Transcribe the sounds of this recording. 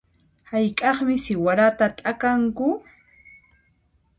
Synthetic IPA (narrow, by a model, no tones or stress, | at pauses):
hajkʼɑχmɪsɪwaɾat̪at̪ʼakaŋkʊ